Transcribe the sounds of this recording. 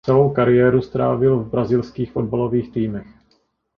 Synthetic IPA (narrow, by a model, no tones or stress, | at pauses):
t͡sɛlowkaɾɪjɛːɾust̪ɾa̰ːvɪlvbɾazɪlskiːxfo̞d̚balo̞viːxt̪iːmɛx